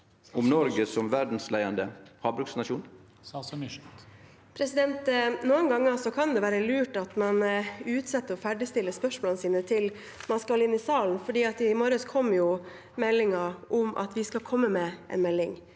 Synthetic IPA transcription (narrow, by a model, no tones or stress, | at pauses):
ʊmnɔɾɡəsɔmʋæɖn̩slæɪənd̪əhɑːbɾʉksnɑʃuːn | pʰɾɛsɪd̪ɛnt̪nuːənɡɑŋːəsɔkʰɑnd̪ɛʋæːɾəlʉːʈɑt̪mɑnʉːt̪sɛt̪ːəɾɔfæɖɪst̪ɪlːəspœʂmɔːlənəsiːnət̪ʰɪl | mɑnskɑlɪnːɪsɑːln̩fɔɖiːɑt̪ɪmɔɾəskʰɔmːjʊ | mɛlːɪŋɑɾʔʊmʔɑ̰t̪ʋɪskɑlkʰɔmːəmɛʔɛ̰nmɛlːɪŋ